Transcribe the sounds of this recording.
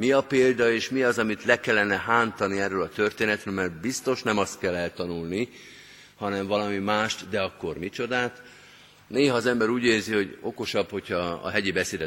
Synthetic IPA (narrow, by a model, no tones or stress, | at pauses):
miɒpeːld̪ɒeːʃmiɒzɒmit̪lɛkɛlːɛnɛɦaːnt̪ɒniɛrːølɒt̪ø̞rt̪eːnɛt̪ɾølmɛrt̪̚bist̪o̞ʃnɛmɒst̪kɛlːɛlt̪ɒnulni | hɒnɛɱvɒlɒmimaːʃt̪d̪ɛɒkːo̞rmit͡ʃo̞d̪aːt̪ | neːɦɒːzɛmbɛɾuːɟeːrziɦo̞ɟo̞ko̞ʃɒbho̞cʰhɒɒ̰ɦɛɟibɛseːd̪ɛ